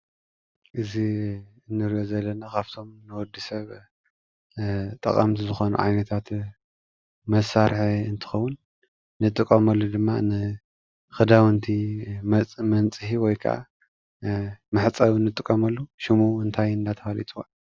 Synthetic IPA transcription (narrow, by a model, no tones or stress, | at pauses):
ʔɨzi | ɨnːɨɾiʔozɐlːɐnakʰaβt̪ʰo̞mnɨwɔd̪ːisɐβ | t̪ʼɐ̰kʼɐ̰mt̪ʰizɨxo̞nṵʕa̰jnɐt̪ʰat̪ | mɐsːaɾħiɨnt̪ʰɨ̥xɐwːʊnː | ɨt̪ʼːɨkʼːɐmɐlːud̪ɨmːa̰nɨ | xɨd̪awɨnt̪ʰimmɐnt͡sʼɨhiwɔjkʰa̰ʔa̰ | mɨħt͡sʼɐβnːɨt̪ʼɨkʼːɐmɐlːuʃimuɨnt̪ʰajɨnd̪at̪ʰɐalḭt̪ʼuwa